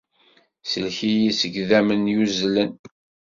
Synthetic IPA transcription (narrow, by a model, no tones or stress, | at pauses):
səlçijisəɡðæmənjuzlən